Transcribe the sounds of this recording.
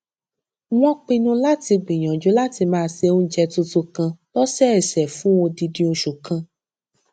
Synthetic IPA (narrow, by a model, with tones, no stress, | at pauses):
w̃ɔ̃˦k͡pĩ˧nũ˦la˦ti˧ɡ͡bĩ˨j̃ã˨d͡ʒo˨˦la˦ti˧mãː˦˧se˧õ˦n˦d͡ʒɛ˧tu˧to˧kã˧lɔ˦sɛ˦ɛ˨sɛ˨fũ˨˦o˧di˧dĩ˧˦o˧ʃu˨kã˧